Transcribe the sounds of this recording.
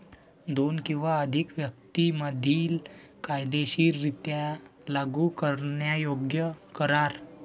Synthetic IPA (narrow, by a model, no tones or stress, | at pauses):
d̪onkĩw̃ʋaəd̪ʱikʋjək̚t̪iməd̪ʱiːlkajd̪eɕiːɾːit̪jalaɡukəɾɳjajoɡjəkəɾaɾ